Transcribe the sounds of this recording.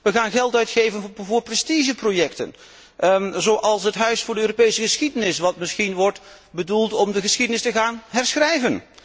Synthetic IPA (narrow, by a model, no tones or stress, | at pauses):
ʋəχaːnɣɛlˠtœɥtχejvənvʊːɹprɛstiʒəprojɛktə̰n | zowʔɑlˠsɦətɦœɥsfʊːɹdəøːropejsəχəsχidənɪsʋɑtmɪsχinʋɔɹt | bədulˠtɔmdəχəsχidənɪstəɣaːnɦɛɹsχrɛjvən